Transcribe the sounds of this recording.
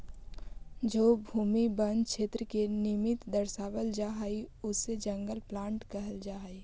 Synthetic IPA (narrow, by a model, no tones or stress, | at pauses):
d͡ʒoːbʱuːmibənkʃeːt̪ɾəkenɪmɪt̪d̪ɐɾʃaːʋəld͡ʒaːɦaiʊsːed͡ʒɐ̃ŋɡəlplãːɳʈkɐɦəld͡ʒaːɦai